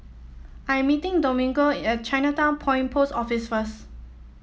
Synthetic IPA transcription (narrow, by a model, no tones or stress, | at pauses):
ʔãjɛ̃mːitɪ̃ŋdomĩŋɡoɛt̚t͡ʃaɪnətãʊ̃npʰɔ̃j̃npʰosɔfisfəs